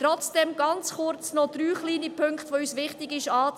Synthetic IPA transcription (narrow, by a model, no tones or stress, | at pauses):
tɾɔt͡sd̥ɛmɡ̥ɑnt͡sχʊɾt͡snɔd̥̪ɾyːχliːnipʰʏŋkχtʋoːysʋɪχtɪɡɪʃaːt͡s